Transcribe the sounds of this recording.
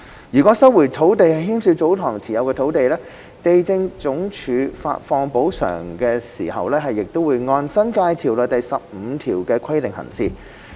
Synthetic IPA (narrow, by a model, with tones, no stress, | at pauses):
jyː˨kʷɔ˨˥sɐ˥wwuː˨˩jt̪ʰo˨˥wt̪e˨jhɐ˨jɦiː˥msy˧wt͡so˨˥wt̪ʰɔː˨˩ŋt͡sʰiː˨˩jɐ˨˧wkɛ˧˨˥wt̪e˨jlɛː˥ | t̪e˨jt͡sɪ˧ŋt͡sʊ˨˥ŋt͡ʃʰyː˨˧fa̰ː˧t̚fɔː˧ŋpo˨˥wsœ̰ː˨˩ŋkɛː˧sḭː˨˩hɐ̰˨wlɛː˥ɦɐ˨jːɪ˨k̚t̪o˥wuː˨˧jŋɔː˧nsɐ˥nkaː˧jt̪ʰiː˨˩wlœː˨jt̪ɐ˨jsɐ˨p̚m̩˨˧t̪ʰiː˨˩wkɛː˧kʰɐ˥jlɪ˨ŋhɐ̰˨˩nsiː˨˧